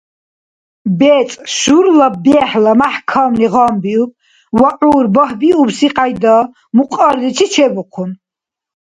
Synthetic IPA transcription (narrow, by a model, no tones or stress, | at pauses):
bɛːt͡s̪ʼʃuɾlabɛħlamaħkʰamniʁɑmbiub̚ | waʔuːɾbɔhbiubsiqʼajd̪a | muqʼɑɾd̪it͡ʃʰit͡ʃʰɛbɔqʰun